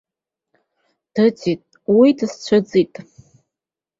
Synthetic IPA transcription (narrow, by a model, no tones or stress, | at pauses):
d̥ɨt͡sʰitʼ | widɨst͡ɕʷʰɨd͡zitʼ